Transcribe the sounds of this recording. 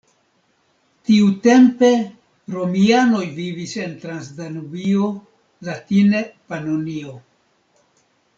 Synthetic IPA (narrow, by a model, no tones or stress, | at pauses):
tiute̞mpe̞ | ɾo̞miano̞jvivise̞nt̪ɾansdanuvio̞ | latinepanonio̞